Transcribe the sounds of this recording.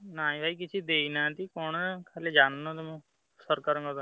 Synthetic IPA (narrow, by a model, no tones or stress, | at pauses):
naːĩbʱaːikɪt͡ʃʰid̪eːiːnãːt̪ikoːɳkʰaːleːd͡ʒaːnnõːt̪emũ | səɾkəɾə̃ːŋɡod̪